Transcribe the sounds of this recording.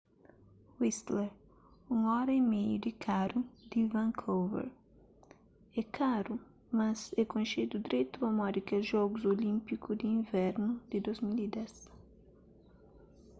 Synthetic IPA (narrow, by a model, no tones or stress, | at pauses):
wist̪leɾ | ũŋɔɾɐimejud̪ɪkʰaɾud̪̥ivãŋkʰowvḛɾ | ɛkaɾu | mazɛkõnʃed̪ud̪iɾejt̪uɐmɔɾikɛwʒɔɡʊzolĩmpikʊd̪iĩɱvɛɾnʊd̪ɪd̪ozmilid̪ɛs